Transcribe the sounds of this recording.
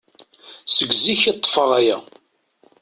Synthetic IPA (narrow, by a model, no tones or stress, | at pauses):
səɡziçit̪ˤːə̥fəʁæjæ